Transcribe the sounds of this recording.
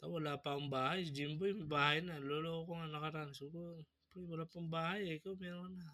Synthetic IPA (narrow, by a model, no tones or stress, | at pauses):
t̪aβolapambahajdimbojbahajnalolokoŋanakaɾansuɡo | pɾibalapambahajekomeana